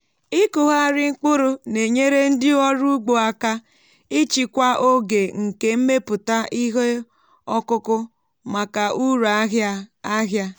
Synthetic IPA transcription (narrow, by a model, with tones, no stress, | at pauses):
i˦kʊ˨ɦa˦˨ɾɪ˦ŋ͡m̩˦k͡pʊ˦ɾʊ˦ne˨ɲe˦ɾe˦n̩˦dɪ˦ɔ˦ɾu˦ɡ͡bo˨a˦ka˦ | i˦t͡ʃi˨kʷa˦ʔo˦ɡe˨ŋ̩˨ke˨m̩˦me˦pʊ˨ta˦i˦ɦe˦ | ɔ˦kʊ˦kʊ˦ | ma˨ka˨ʔu˦ɾa˨˦ɦa˦a˦ɦja˦